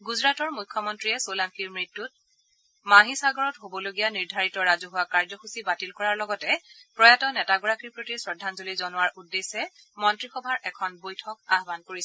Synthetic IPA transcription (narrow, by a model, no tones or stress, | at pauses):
ɡuzɹatɔɹmujkʰːɔmɔntɹiɛsolaŋkiɹmɹitːut̚ | maɦisaɡɔɹɔtɦobɔloɡijaniɹdʱaɹitɔɹazɔɦʊwakaɹzɔxusibatilkɔɹaɹlɔɡɔtɛpɹɔjatɔnɛtaɡɔɹakʰipɹotisɹɔdʱːanzolizɔnʊaɹʔudːesɛ | mɔntɹixɔbʱaɹʔɛkʰɔnbojtʰɔk̚aɦbankoɹisɛ